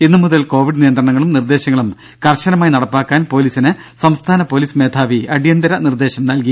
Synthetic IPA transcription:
inːɨmuðɐlko̞ːʋiɽɨnijɐnd̪rɐɳɐŋːɐɭumnird̪e̞ːɕɐŋːɐɭum | kɐrɕɐnɐmaːjinɐɽɐpːaːkːaːnpo̞ːliːsinɨ | sɐmst̪ʰaːnɐpo̞ːliːsme̞ːt̪ʰaːʋiɐɽijɐnd̪ɐɾɐnird̪e̞ːɕɐmnɐlki

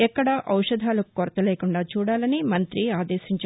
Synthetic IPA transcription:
ɛkːɐɽɐʔɐwʂɐd̪ʱaːlukoɾɐt̪ɐleːkuɳɖaːt͡ʃuːɽaːlɐnimɐnt̪ɾiaːd̪ɛːʃiɲt͡ʃ

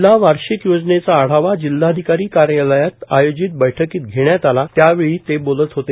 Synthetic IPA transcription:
laʋaɾɕikjod͡znet͡saːɽ̤aʋad͡ʑilːad̪ʱikaɾiːkaɾjaləjat̪ajod͡ʑit̪̚bəjʈʰəkiːt̪ɡʱeɳjat̪alat̪jaʋeɭiːt̪ebolət̪ɦot̪e

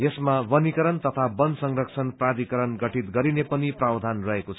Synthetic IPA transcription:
jesmabʌnikʌɾʌnt̪ʌt̪ʰabʌnsʌŋrʌksʰʌnprad̪ikʌɾʌnɡʌʈʰit̪ɡʌɾinepʌniprabd̪ʱanrʌɦekot͡sʰ

